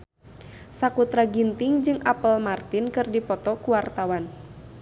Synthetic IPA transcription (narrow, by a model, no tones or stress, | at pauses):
sakut̪ɾaɡint̪ɪŋd͡ʒɨŋʔapəlmart̪inkɨrdipɔt̪ɔkuwart̪awan